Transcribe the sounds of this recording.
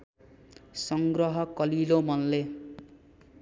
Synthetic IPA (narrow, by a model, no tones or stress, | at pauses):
sʌŋɡrɾʌɦʌkʌlilomʌnle